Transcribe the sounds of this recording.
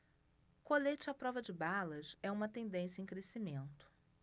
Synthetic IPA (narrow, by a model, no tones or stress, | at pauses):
kolet͡ʃɪapɾɔvɐd͡ʒɪbalɐsɛũmɐt̪ẽnd̪ẽsjɐẽj̃kɾesimẽnt̪ʊ̥